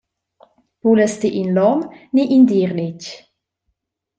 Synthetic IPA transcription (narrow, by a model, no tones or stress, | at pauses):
puləstiʔinlɔmniʔind̪iɾlec